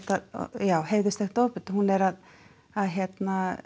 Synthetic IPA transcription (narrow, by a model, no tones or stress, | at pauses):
t̪að̰jawɦejðʏst̪ɛkt̪oːpʏt̪hunːɛɾað | aðɦjɛt̪na